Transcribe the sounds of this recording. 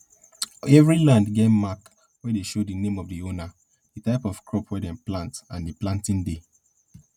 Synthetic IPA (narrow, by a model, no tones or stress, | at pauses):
ɛvɹilãndɡemak | wɛdeʃodinẽmɔvdiona | ditaɪpɔfkɹɔpwɛdɛ̃mplãntãndiplãntĩnde